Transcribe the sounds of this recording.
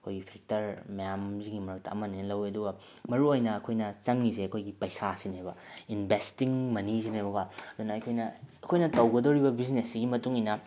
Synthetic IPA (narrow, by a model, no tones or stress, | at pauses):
ɐkʰojɡipʰek̚tɐɾmɐjamziɡimɐɾɐk̚tɐ̰ːmɐninɐlɐwiɐduɡɐ | mɐɾuojnɐːkʰojnɐt͡ʃɐŋːizeɐkʰojɡipɐjsasinebɐinbʱestiŋmɐnizinejbɐɡaɐd̪onɐɐjkʰojnɐɐkʰojnɐtɐwɡɐdɐwɾibɐbiznesːiɡimɐtuŋijnɐ